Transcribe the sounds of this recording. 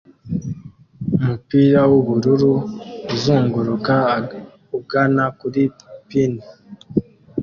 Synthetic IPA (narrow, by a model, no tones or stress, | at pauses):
umupiɾawoβuɾuɾuuzuːŋɡuɾuka | uɡanakuɾi | pini